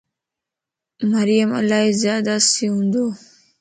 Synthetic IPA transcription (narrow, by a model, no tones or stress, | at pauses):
mɐɾijəmɐ̰laːɦizjaːd̪asiɦũnd̪oː